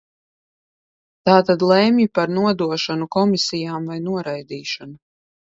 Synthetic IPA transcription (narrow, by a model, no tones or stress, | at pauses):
t̪aːt̪ad̪lˠɛmjipaɾnuɔd̪uɔʃanukɔmisijaːmvajnuɔɾajd̪iːʃɔnu